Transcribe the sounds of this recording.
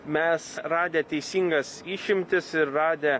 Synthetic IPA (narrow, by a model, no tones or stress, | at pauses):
mʲɛsɾɑːd̪ʲeːt̪ʲɛɪsʲiːŋɡɐsiːʃʲɪmʲt̪ʲɪsɪɾːɑːd̪ʲe